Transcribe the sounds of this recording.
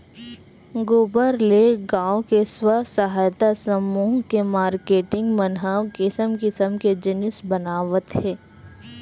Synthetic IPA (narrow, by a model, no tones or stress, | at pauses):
ɡoːbəɾleɡãːõkeswəsəɦaːjt̪asəmuːɦkemaːɾkeːʈɪ̃ŋɡmənɦaːkɪsəmkɪsəmked͡ʒɪnɪsbɐnaːʋət̪ɦɛ̃ː